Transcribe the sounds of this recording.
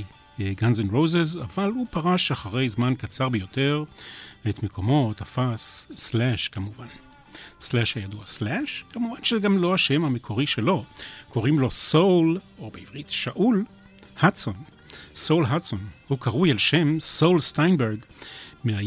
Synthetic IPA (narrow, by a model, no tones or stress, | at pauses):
ɡanzenʁowzeza̰valhupaʁaʃaχaʁe̞jzmankat͡saʁbejo̞te̞ʁetmekʰo̞mo̞tafasːlɛʃkamuvan | slaʃhajaduaslɛʃkamuvanʃezeɡamlo̞aʃe̞mhame̞kʰo̞ʁiʃelo̞kʰo̞ʁimlo̞sowlobeivʁitʃaʔul | hatson | sowlɦatsonhukaʁujalʃe̞msowlstajnbeʁɡmea